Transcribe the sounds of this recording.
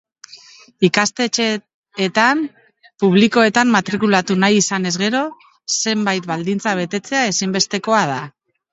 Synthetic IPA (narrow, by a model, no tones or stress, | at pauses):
ikast̪e̞t͡ʃeː | t̪am | puβliko̞e̞t̪amːat̪ɾikulat̪unajisane̞zɣe̞ɾo̞ | se̞mbajt̪bald̪int͡saβe̞t̪e̞t͡se̞ae̞simbe̞st̪e̞ko̞að̞a